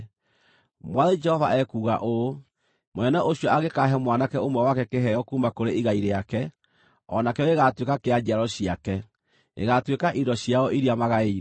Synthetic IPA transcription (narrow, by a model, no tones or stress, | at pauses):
mwaðed͡ʒɛhɔvaʔɛkuːɣa̰ʔo | monɛnɛʔoɕiɔaɣekaɦɛmwanakɛomwɛwakɛkeɦɛjɔkuːmbakoɾeʔiɣaiɾeakɛ | ɔnakɛjɔeɣatwekakead͡ʒiaɾɔɕiakɛ | ḛɣatwekaʔiɾɔɕjaɔʔiɾiamaɣai